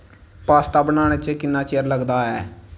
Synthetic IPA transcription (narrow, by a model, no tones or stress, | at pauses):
paːst̪aːbənaːɽ̃eːt͡ʃekɪnːaːt͡ʃeːɾləɡd̪aːɛː